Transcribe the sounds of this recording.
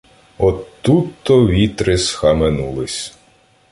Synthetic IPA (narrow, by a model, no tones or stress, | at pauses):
ɔt̪ːut̪ːɔʋʲit̪ɾɪsxɐmenulˠɪsʲ